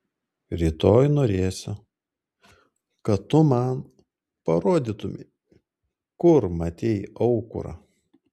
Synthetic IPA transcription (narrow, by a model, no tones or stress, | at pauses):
ɾʲiːt̪oːjnoːɾʲeːsʲʊ | kɐtt̪ːʊmɐn | pɐɾoːd̪ʲit̪ʊmʲɪ̰ | kʊɾmɐt̪ʲeːjɐʊkʊ̰ɾɐ̰